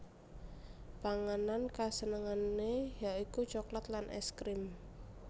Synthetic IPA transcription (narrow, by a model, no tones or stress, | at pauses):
paŋanankasənəŋanːejaʔikut͡ʃɔklat̪lanʔɛ̰skɾɪm